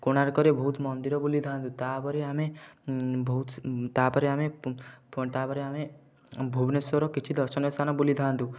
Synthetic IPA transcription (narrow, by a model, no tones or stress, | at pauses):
koɽ̃aɾkɔɾebʱɔut̪mɔnd̪iɾɔbulid̪ʱãnd̪ut̪apɔɾeame | bʱɔt̪t̪apɔɾeamept̪apɔɾeame | bʱubnesɔɾɔkit͡ʃʰid̪ɔɾsɔnɔsanɔbulid̪ʱãnd̪u